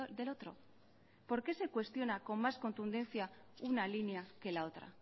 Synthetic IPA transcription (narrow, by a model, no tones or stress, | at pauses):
d̪e̞lo̞t̪ɾo̞ | po̞ɾke̞se̞kwe̞st̪jo̞nako̞mmasko̞nt̪und̪e̞nθjaunalineake̞lao̞t̪ɾa̰